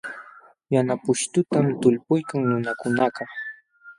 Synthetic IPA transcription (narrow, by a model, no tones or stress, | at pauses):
janapʊʃt̪ʊt̪amt̪ʊlpʊjkaŋnʊnakʊnaqɑ